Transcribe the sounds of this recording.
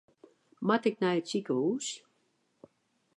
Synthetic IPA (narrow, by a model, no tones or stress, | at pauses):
matɪk̚nɛjətsikəuːs